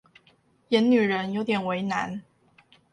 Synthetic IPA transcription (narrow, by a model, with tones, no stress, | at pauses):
jɛ˧˥nny˨˩ɻə˧˥njo˧˥ʊt̪jɛ˨˩nwe˧˥ɪna̰˧˥n